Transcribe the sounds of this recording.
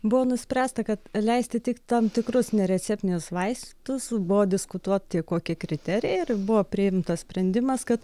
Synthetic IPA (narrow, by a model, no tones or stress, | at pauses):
bʊʋoːnʊsʲpʲɾʲæːst̪ɐkɐt̪lʲɛɪsʲt̪ʲɪt̪ʲɪkt̪ɑmt̪ʲɪkɾʊsnʲɛɾʲɛt͡s̪ʲæpʲnʲɪnʲʊsʋɐɪst̪ʲt̪ʊsbʊʋoːd̪ʲɪskʊt̪uɔt̪t̪ʲiɛkoːkʲikɾʲɪt̪ʲæɾʲɪjɛɪɾbʊʋoːpʲɾʲɪɪmt̪ɐssʲpʲɾʲɛnʲd̪ʲɪmɐskɐt̪